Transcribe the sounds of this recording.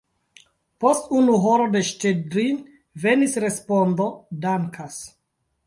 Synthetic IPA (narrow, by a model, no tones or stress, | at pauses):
po̞stunuɦoɾode̞ʃtedɾin | ve̞nisɾe̞spondodaŋkʰas